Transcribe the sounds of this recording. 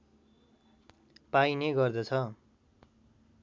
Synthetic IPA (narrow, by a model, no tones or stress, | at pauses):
paineɡʌrd̪ʌt͡sʰʌ